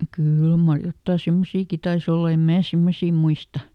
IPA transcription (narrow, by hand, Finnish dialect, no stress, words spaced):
kyˑl mɑr jotːɑˑ semːosiːki tɑis olːɑ em mæː semːosiː muistɑ